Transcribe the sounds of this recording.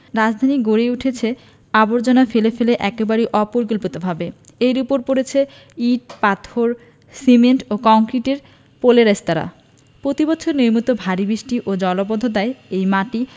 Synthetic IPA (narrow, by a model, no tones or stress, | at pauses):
ɾad͡ʑd̪ʱaniɡoɾeuʈʰet͡ɕʰe | aboɾd͡ʑonafelefeleʔɛkebaɾejʔɔpoɾɡulpot̪obʱabe | ejɾupoɾpoɾet͡ɕʰe | iʈ̚pat̪ʰoɾ | simeɳʈokɔŋkɾiʈeɾ | poleɾest̪aɾa̰ | pɾot̪ibɔtːɕʰoɾniɾmut̪obʱaɾibɾiʃʈiʔod͡ʑɔlobod̪ʱːod̪aeejmaʈi